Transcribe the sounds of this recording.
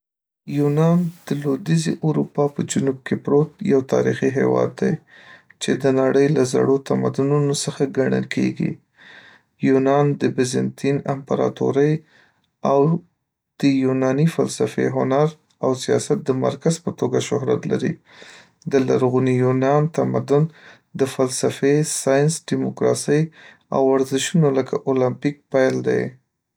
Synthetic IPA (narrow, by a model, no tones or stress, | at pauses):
junɑnd̪̥əlod̪izḭʔuɾupɑpəd͡ʒunub̚kʰepɾot̪̚jawt̪ɑ̰ɾixiɦḛwɑ̰d̪ːaj | t͡ʃed̪ənaɽəjlaza̰ɽot̪ama̰d̪ununosəxaɡaɳə̰lkʰḛɡḭ | junɑnd̪əbɪzɪnt̪ʰinampaɾɑ̰t̪o̰ɾəj | aw | d̪̥əjunɑnifa̰lsafḛɦʊnaɾ | awsijɑsat̪̚d̪əma̰ɾkazpət̪oɡaʃʊɦɾa̰t̪la̰ɾḭ | d̪əlaɾɣunijunɑnt̪amad̪ʊn | d̪əfalsafesɑjɪnsɖimokɾɑ̰səj | a̰waɾzɪʃunoləkʰaʔolampik̚pajld̪ḛj